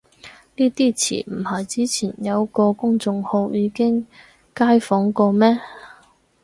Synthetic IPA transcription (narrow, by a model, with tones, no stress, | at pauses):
niː˥t̪iː˥t͡sʰḭː˨˩m̩˨˩hɐ˨jt͡siː˨˥t͡sʰiː˨˩njɐ˨˧wkɔː˧kʊ˥ŋt͡sʊ˧ŋho˧wjiː˨˧kɪ˥ŋ | kaː˥jfɔː˨˥ŋkɔː˧mɛː˥